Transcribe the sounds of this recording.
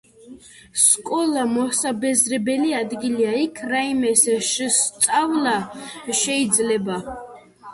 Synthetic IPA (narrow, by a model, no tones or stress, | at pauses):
skʼɔlˠamɔsabɛzɾɛbɛliad̪ɡiliaikʰɾaimɛsɛʃst̪sʼavlaʃɛid̪zlɛba